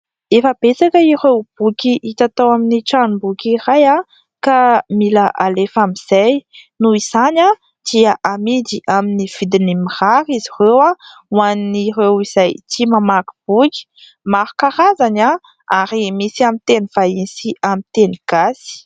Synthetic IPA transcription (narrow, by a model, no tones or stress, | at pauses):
efəb̥et͡sakəiɾewb̥ukʲiʔit̪at̪awaminiʈ͡ʂanbukʲiraja | kamilaʔalefamiz̥ajnuiz̥ana | d̪̥iaʔamid̪iʔaminiv̥id̪inimiraɾizirewawaniniɾewiz̥ajt͡ʃimamaku̥b̥ukʲi̥ | maɾukaɾazana | aɾimisiamit̪eniv̥aisiʔamit̪eniɡ̥asi̥